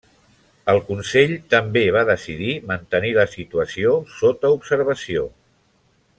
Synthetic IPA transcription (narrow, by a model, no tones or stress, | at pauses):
əlˠkunseʎt̪əmbeβ̞aðəsiðimənt̪əniləsit̪uəsiosot̪əupsəɾβ̞əsio